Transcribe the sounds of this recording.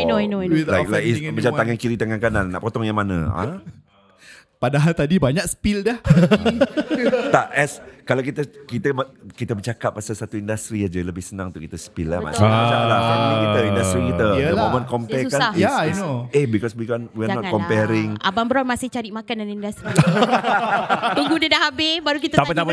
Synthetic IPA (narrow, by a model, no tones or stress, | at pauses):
noanolajklajkismat͡ʃamaŋankiɾit̪aŋankanannːa̰ʔpɔt̪ɔŋjaŋmana̰a̰ | padaɦalt̪adibaɲakspildɛh | t̪aʔɛskalawkit̪əkit̪əməkit̪əbət͡ʃakap̚masasat̪uindast̪ɾiad͡ʒaləbɪhsənãŋũnt̪ukit̪əspilama̰saalaaiəindast̪ɾikit̪əjəlmomə̃nkɔmpɛukaajainoehbikɔswikɔnwianɔt̚kɔmpɛɾɪŋa̰baŋbəɾamasɪht͡ʃaɾiʔmakandanindast̪ɾi | miŋɡunədaɦabebaɾukit̪əappit̪apa